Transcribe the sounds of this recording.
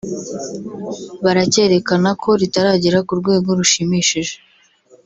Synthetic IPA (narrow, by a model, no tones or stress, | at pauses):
βaɾace̞ɾe̞kanakʰo̞ɾitaɾaːɟiɾakuɾɡwe̞ːɡo̞ɾuʃimiʃiʒe̥